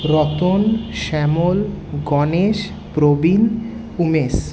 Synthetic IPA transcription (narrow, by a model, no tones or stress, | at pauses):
ɾɔt̪onʃɛmolɡɔneʃ | pɾobil | umes